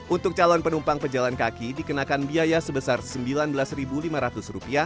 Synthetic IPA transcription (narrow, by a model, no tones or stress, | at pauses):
ʔunt̪ʊk̚t͡ʃalɔnpənumpaŋpəd͡ʒalankakidikənakanbiajasəbəsarsəmbilanbəlasɾibulimaɾat̪ʊsrupia